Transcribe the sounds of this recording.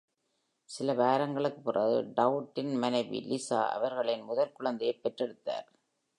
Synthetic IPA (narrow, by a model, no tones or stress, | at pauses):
sɪlɐʋaːɾɐŋɡɐɭɯkːɯ̥pːɯrʔaːðɯ̰ɖɐʊʈːɪnmɐnɐɪʋḭlɪsa̰ːʔɐ̰ʋɐɾɣɐɭɪnmʊðɐlkʊɭɐnd̪ɪjepːɛʈrɛɽɯt̪ːa̰ːɾ